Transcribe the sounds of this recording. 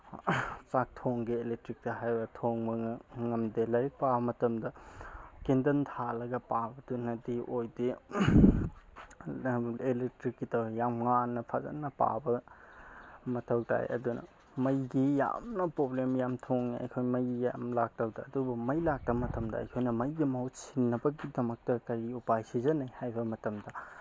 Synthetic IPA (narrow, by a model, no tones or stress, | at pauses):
t͡ʃak̚tʰoŋɡielek̚tɾik̚tɐɦajbɐtʰoŋbɐŋɐmdilɐɾik̚pabɐmɐtɐmdɐkindɐntʰalɐɡɐpabɐdunɐdiʔojdi | elek̚tɾikːitʰɐwjamŋanːɐpʰazɐ̰nːɐpa̰bɐ | mɐtʰɐwta̰j̰ʔɐ̰dunɐ̰ | mɐjɡija̰mnɐpɾoblemjamtʰoŋniɐ̰jkʰojmɐja̰mlak̚tʰɐwtɐːdubumɐjlak̚tɐbmɐtɐmdɐɐ̰jkʰojnɐmɐjɡimɐɦot̚sinːɐbɐɡidɐmɐk̚tɐkɐɾiupajsizɐnɐjhajbɐmɐtɐmdɐ